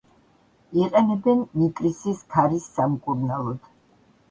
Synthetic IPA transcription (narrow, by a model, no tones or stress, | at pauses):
iqʼɛnɛbɛnːikʼɾisiskʰaɾisːamkʼuɾnalˠɔd̪̥